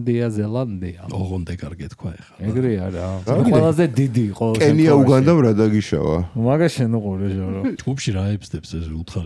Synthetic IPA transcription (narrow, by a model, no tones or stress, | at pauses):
nd̪iazɛlˠand̪iaɔʁɔnd̪ɛkʼaɾɡɛt̪kʰwaɛχḁɛɡɾiaɾawlˠazɛd̪id̪iqʼɔkʼɛniauɡand̪amɾad̪aɡiʃa̰va̰maɡaʃɛnuqʼuɾɛʒɔɾɔd͡ʒɡupʃiɾaɛbzd̪ɛpsɛsulˠt̪ʰχaɾ